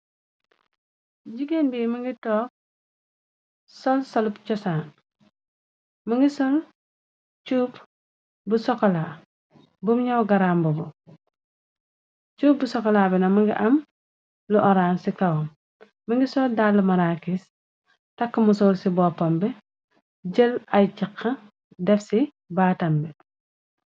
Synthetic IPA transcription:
ɟiɡenbiːmiŋɡitɔːk̚ | sɔlsɐlupt͡ʃɔsaːn | muŋɡisɔl | t͡ʃuːp | busɔkɔla | bumɲawɡaɾaːmbubu | cuːp̚busɔkɔlaːbɛnɐmɐŋɡiʔɐm | luʔɔɾaːnsikɐwɐm | mɐŋɡisɔldaːlːɐmɐɾaːkis | tɐkːɐmusɔːlsibɔːpːɐmbɛ | ɟəlɐjciqːɐ | dɛfsi | baːtɐmbɛ

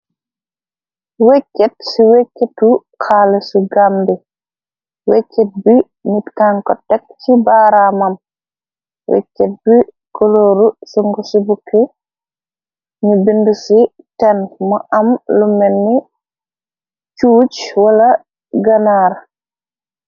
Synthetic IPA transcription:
wekːɛtsiwekːɛtːu | kʰalɛsuɡambɛ | wekːɛt̚bi | nitkaŋkɔtɛk̚t͡ʃibaːɾamam | wɛ̰kːɛt̚bi | kɔloːɾusuŋɡɔsubukʰːɛ | ɲubindusi | tɛnmɔʔamlumɛnːi | t͡ʃuːt͡ʃwala | ɡanaːɾ

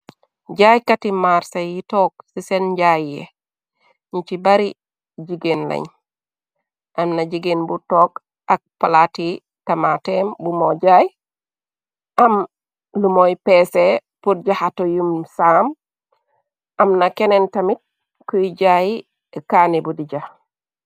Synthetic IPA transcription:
ɟajkatimaɾsajitoːk̚sisenɟajːḛ | ɲit͡ʃibaɾi | ɟiɡenla̰ɲ | ʔamnaɟiɡenbutoːɡ | ak̚palati | tamatembumoɟaj | ʔam | lumojpeːsepuɾɟahatojumsaːm | ʔamnakenentamit̚ | kuiɟaji | kaːnibudiɟa

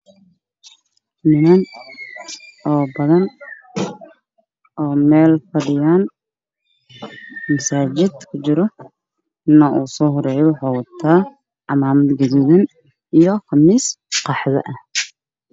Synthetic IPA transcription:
mɪnɐn | ʔɔːbɐðɐn | ʔɔːmɛːlfɐɽɪjaːn | mɐsaːt͡ʃɪd̪kʰʊt͡ʃɪɾɔ | nɐʔuːsɔːɦʊɾɛːjɛwɑħɑːwɑt̪ʰaː | ʕɑmaːmɐd̪ɡɐðuːðɐn | ijɔxɑmiːsqɑħðɐ̰ʔɐh

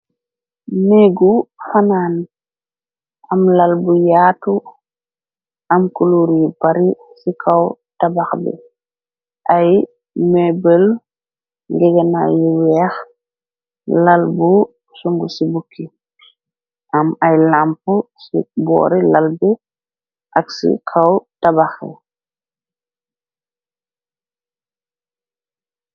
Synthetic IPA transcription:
neɡufanaːn | ʔamlalbujaːtu | ʔamkuluɾjibaɾi | sikʰaw | tabaxbɛ̰ | ʔaj | mɛbəl | ŋɡɛɡana̰jiwɛx | lalbu | suŋɡusibukʰːi | ʔamajlampusibɔ̰ːɾilalbɛ | ʔaksḭkʰawtabaxɛ̰

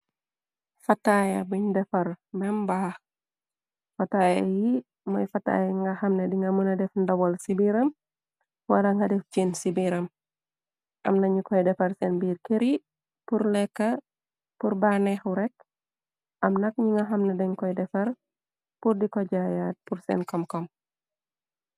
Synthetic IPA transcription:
fɐtajɐbuɲdɛfɐrmɛmbaːh | fataji | mɔjfata̰jŋɡahɐmnediŋɡamunɐdɛfndawɔlsibiɾɐm | walaŋɡadɛft͡ʃinsibiɾɐm | ʔɐ̰mnaɲukɔjdɛfɐrsɛnbirkeɾi | puɾlɛkːa | puɾbanɛhuɾɛk̚ | ʔamnak̚ɲiŋaɦamnadɛŋkɔidɛfɐr | purdikɔd͡ʒajat̚puɾsɛ̰nkɔmkɔm

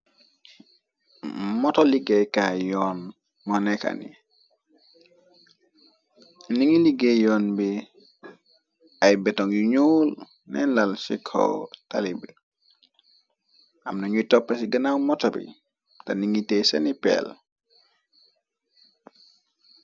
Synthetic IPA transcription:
mɔtɔliɡɛjkajɔːn | mɔnɛka̰nḭ | niŋiliɡejɔːnbi | ajbɛtɔŋjuɲuːl | nʔɛ̰nlalsikʰɔ̰wta̰libi | ʔamnaɲutɔpːɛsiɡɐnawmɔtɔbḭ | tɐniŋitɛsɐnipɛ̰l

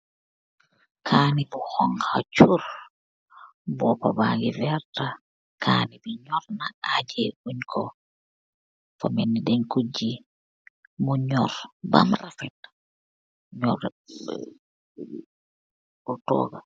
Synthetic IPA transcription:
kʰaːnibɔhɔŋkʰat͡ʃuɾ | bɔpabaɡivɛɾta | kʰanibiɲɔɾnaʔad͡ʒɛʔuɲkʰɔ | famɛnːidɛnkud͡ʒi | muɲɔɾba̰mrafɛt | ɲɔɾ | ɔtɔ̰ɡa

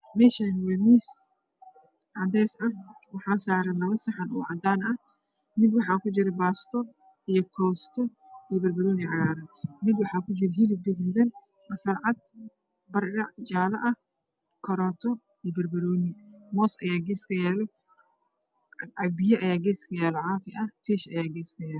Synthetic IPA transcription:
mɛːʃaːnɪwɛːmiːs | ʕɑd̪ɛːsɐwɑħaːsaːɾɛlɐβɐsɐħanɔːʕɑd̪aːnɐ | mɪd̪wɑħɑːkʊd͡ʒɪɾɛbaːst̪ʰɔ | ijɔkʰɔːst̪ʰɔ | ijbɐrbɐɾɔːnɪʕɑɣaːɾɐmɪd̪wɑħɑːkʰʊd͡ʒɪɾɛɦilɪbɪdmd̪ɐn | mɐsɐrʕɑd̪ | bɐrɐd͡ʒaːlɐʔɐh | kʰɔɾɔːt̪ʰɔ | ijɔbɐrbɐɾɔːnimɔːsʔɐjaːɡɛːskʰɐjɛːlɛ | ʕɑbɪjɐʔɐjaːɡɛːskʰɐjɛːlɛʕaːfɪʔɐt̪ʰiːʃɐjaːɡɛːskʰɐjɛːl

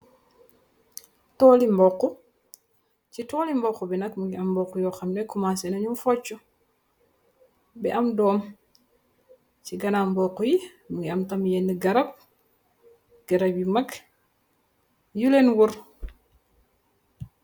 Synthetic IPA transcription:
tɔːlimbɔkːu | citɔːlimbɔkːubɛnɐkmuŋɡiɐmːbɔkːujɔːxɐmnɛkumasɛnɐɲumfɔt͡ʃːu | bɛʔɐmdɔːm | ciɡɐnambɔkːuji | muŋɡiɐmtɐmjɛnːiɡɐɾɐp̚ | ɡ̥ɐɾɐbjimɐk | julenwuɾ

